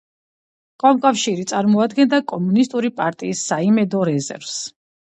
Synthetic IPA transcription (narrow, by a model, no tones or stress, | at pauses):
kʼamkʼafʃiɾit̪sʼaɾmɔad̪ɡɛnd̪akʼɔmunist̪ʼuɾipʼaɾt̪ʼiːsːaimɛd̪ɔɾɛzɛ̰ɾvs